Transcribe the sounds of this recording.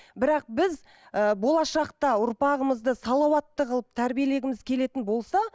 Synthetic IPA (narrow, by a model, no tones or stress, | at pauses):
bɪɾɑq̚bɪz | əbo̞lˠɑʃɑqt̪ɑʊɾpɑʁəməzd̪əsɑlˠɑwɑt̪ːəqʰlˠəp̚t̪ʰæɾbije̞le̞ɡʲɪmɪzkʲʰe̞le̞t̪ɪnbo̞lˠsɑ